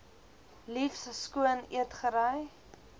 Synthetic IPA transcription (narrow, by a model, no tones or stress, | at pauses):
lifsskuənḭətχəɾəj